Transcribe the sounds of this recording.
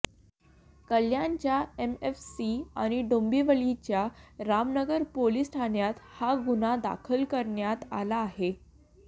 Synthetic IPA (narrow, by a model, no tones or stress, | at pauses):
kəljaɲt͡ɕjaemefsiaɽ̃iɖombiːʋəɭit͡ɕjaɾamnəɡəɾpoliːsʈʰanjat̪haɡunad̪a̰kʰəlkəɾɳjat̪a̰laːɦe